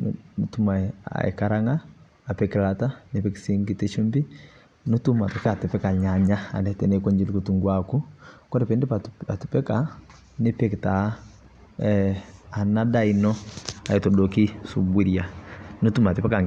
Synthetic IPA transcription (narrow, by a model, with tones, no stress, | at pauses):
nnotu˦maa̰˨ḛ˨ka˦ɾaŋaː˦˨ | pɛkilata˦nepɛki̥si˦ŋɡite˦ʃu˦mbi˦ | no˦tu˦ma˨tɔka˨te˨pɛ˦ka˨ɲa˨ɲa˦a̰˨nɛtɛ˨nekɔ˦ɲd͡ʒi˦likutu˨ŋɡwaku˦kɔ˦ɾe˨pɛ˦nde˦pata˨tupɛ˦ka | ne˦pɛkta˨˦ | a˨nada˦inɔ˦a˨e˨tɔ˨doki˦subu˦ɾija˨no˦tu˦ma˨te˨pɛ˦ka˨ŋ